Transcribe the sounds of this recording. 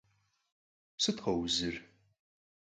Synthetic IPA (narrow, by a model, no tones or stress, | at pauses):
sɨt̪χɐwzɨr